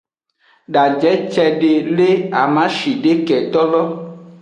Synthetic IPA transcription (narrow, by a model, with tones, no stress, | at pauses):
ɖa˨d͡ʒɛ˨˦t͡ʃɛ˨ɖe˨le˦a˨mã˦ʃi˨ɖe˦kɛ˨t̪ɔ˦lɔ˦